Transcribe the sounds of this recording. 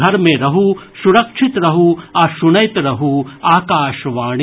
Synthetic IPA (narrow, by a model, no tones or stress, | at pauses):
ɐɾmẽɾɐɦusuɾɐkʂʰit̪ɾɐɦuaʃunɐjt̪ɾɐɦuaːkaːʃʋaːɳ